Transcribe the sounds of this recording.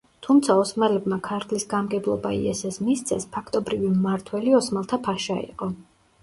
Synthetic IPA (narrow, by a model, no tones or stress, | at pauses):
t̪ʰumt̪sʰaɔsmalɛbmakʰaɾt̪ʰlisɡamɡɛblˠɔ̰ba̰ḭɛsɛsmist̪sʰɛspʰakʰt̪ʼɔbɾivimaɾt̪ʰwɛliɔsmalˠt̪ʰapʰaʃaḭqʼɔ